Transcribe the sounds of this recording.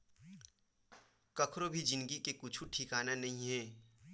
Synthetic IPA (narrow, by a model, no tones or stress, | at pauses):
kɐkʰɾobʱid͡ʒɪnɡikekʊt͡ʃʰuʈʰikaːnanɐɦĩɦɛː